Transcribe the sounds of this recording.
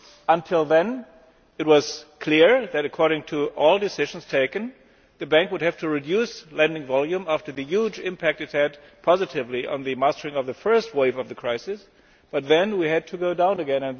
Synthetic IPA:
ə̃ntʰɪlˠðɨ̃n | ɨt̚wʌz̥kʰl̥ɪɹðɨɾɨkʰɔɹɾɪ̃ŋtʰɨʔɔlˠdɨsɪʒ̃n̩z̥tʰeɪkɨ̃n | ðɨbæ̃ŋkwʊd̚hɨv̥tʰɨɹidjʉslɛ̃ndɪ̃ŋvɑlˠjũmæftə˞ðɨjud͡ʒɪ̃mpʰæk̚tɨt̚hɨd̚pʰɑzɨɾɪvliʔə̰̃nðɨmæstə˞ɪ̃ŋʌvðɨfɜ˞st̚weɪvʌvðɨkʰɹ̥aɪsɨs | b̥ʌt̪̚ðɨ̃nwiɨd̚tʰɨɡoʊdãʊ̃nɨɡɛ̃nɨ̃n

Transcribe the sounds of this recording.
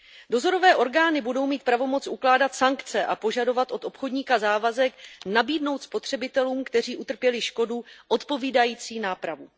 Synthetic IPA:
do̞zo̞ɾo̞vɛːʔo̞ɾɡaːnɪbudo̞wmiːt̪̚pɾavo̞mo̞t͡sʔuklaːdat̪saŋkt͡sɛʔapo̞ʒado̞vat̪ʔo̞t̪o̞pxo̞dɲiːkazaːvazɛknabiːdno̞wt̪spo̞t̪r̝̥ɛbɪt̪ɛluːmkt̪ɛr̝iːʔut̪r̩pjɛlɪʃko̞duʔo̞t̪po̞viːdajiːt͡siːnaːpɾavu

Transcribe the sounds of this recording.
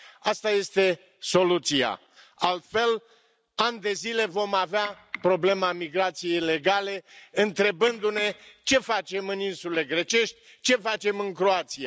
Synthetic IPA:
ast̪aje̞st̪e̞ | so̞lut̪sia̰ | alt̪fe̞l | anʲd̪e̞zile̞vo̞mavea | pɾo̞ble̞mamiɡɾat̪sije̞jle̞ɡale̞ɨnt̪ɾe̞bɨnd̪une̞t͡ʃe̞fat͡ʃe̞mɨninsule̞ɡɾe̞t͡ʃe̞ʃt̪ʲ | t͡ʃe̞fat͡ʃe̞mɨŋkɾoat̪sia

